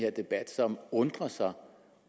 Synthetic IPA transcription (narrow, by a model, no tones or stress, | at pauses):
heɐ̰d̥e̝b̥æd̥sɒ̽mɔ̽nd̥ʁɐsɑ̈ɪ